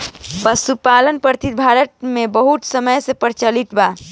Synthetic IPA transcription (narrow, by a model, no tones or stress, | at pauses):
pəsupalənpəɾt̪ʰit̪̚bʱaɾət̪̚mebəɦut̪səməjsẽpəɾt͡ʃəliʈba